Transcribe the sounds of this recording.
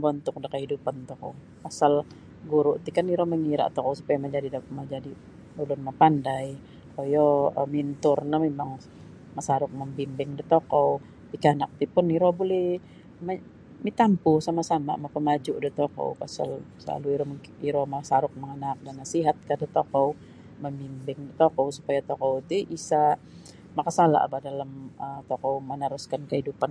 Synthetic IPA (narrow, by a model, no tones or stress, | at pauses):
bɔnt̪ʊk̚dəkəɦidupant̪okɔ̰w | pasal | ɡuɾʊʔt̪ikaniɾɔməŋiɾa̰ʔt̪ɔkowsupajaməd͡ʒadidmad͡ʒadi | dulʊnmapandaj | ojɔmint̪ʊrnamemaŋ | masaɾʊk̚məmbimbɪŋdət̪okɔw | pikanak̚t̪ipʊniɾɔbolɛh | ma | mit̪ampusamasama̰mapəmad͡ʒʊʔdət̪okɔ̰wpa̰sa̰lsəla̰luiɾɔm | iɾɔmasaɾʊk̚məŋənak̚danasiɦat̪̚kadət̪okɔw | məmbimbɪŋdit̪okowsupajat̪okowt̪iisa | makasala̰ʔa̰bahdalamət̪okowmənaɾʊskankəhidupan